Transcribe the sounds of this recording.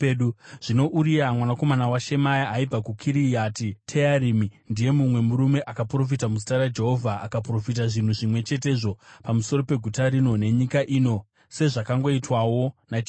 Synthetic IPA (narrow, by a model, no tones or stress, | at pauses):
ɗuʐ̥ino̞ʔuɾiɾamwanako̞manawaʃe̞majaʔaib͡vakukʰiɾijatitʰeaɾimindije̞mumwe̞muɾume̞ʔakapro̞f̬itamuzitaɾad͡ʒe̞ɦo̞vʱaʔːkapro̞fit̬aʐin̤uʐimwe̞t͡ʃe̞t̬e̞ːʐo̞pamuso̞ɾo̞pe̞ɡʱutaɾino̞ne̞ɲikaʔiːno̞ | se̞ʐakaŋɡo̞itwawo̞nat͡ʃ